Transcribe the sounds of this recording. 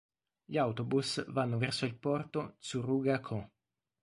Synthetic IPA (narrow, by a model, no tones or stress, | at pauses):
ʎawt̪obusvanːovɛrsoilpɔrt̪osuruɡakʰo